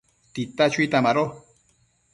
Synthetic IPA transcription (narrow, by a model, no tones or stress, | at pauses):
t̪it̪at͡ʃuit̪amaɾo